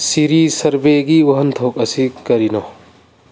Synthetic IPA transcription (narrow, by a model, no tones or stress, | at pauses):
siɾisɐɾbeɡiwɐɦənt̪ʰok̚ɐsikɐɾinɔ